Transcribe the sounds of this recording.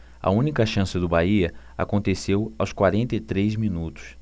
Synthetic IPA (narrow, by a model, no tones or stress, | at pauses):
ɐ̰ũnikɐʃɐ̃sɪd̪ʊbaiɐ | a̰kõnt̪esewawskwaɾẽnt̪ɐɪt̪ɾezmĩnut̪ʊ̥s